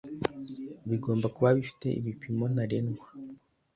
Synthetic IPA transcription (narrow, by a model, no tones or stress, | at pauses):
βiɡo̞ːmbakuβaβifi̥te̞̰ḭβipimo̞n̥aɾenɡwa